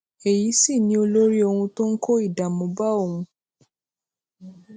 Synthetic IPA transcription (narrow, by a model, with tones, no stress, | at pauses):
e˨ji˨˦si˦˨nĩ˧˦o˧lo˦ɾi˦o˧hũ˧to˦ŋ̩˦kʰo˦i˦˨da˨mõ˨ba˦o˦˨hũ˧